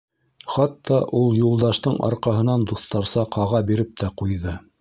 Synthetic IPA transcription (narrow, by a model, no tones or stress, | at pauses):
χɑt̪ːɑʔulˠjulˠd̪ɑʃt̪ɤɴɑ̰ɾqɑɦɤ̆nɑnd̪uθt̪ɑɾsɑqʰɑʁɑbiɾɘp̚t̪æqujðɤ